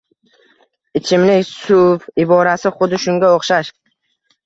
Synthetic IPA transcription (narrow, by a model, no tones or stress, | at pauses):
ɪt͡ʃʰɪmlɪkʲsʊvɪbɒɾasɪχʊd̪ɪʃʊŋɡʲaoχʃaʃ